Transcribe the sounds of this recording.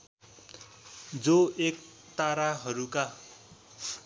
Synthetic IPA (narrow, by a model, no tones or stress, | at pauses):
d͡zoek̚ | t̪aɾaɦʌɾuka